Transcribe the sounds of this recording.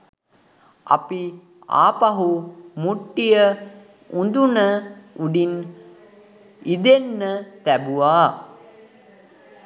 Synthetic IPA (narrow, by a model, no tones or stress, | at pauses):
a̰pi | a̰ːpaɦumuʈːijə | und̪unəuɖin | id̪enːət̪æbuaː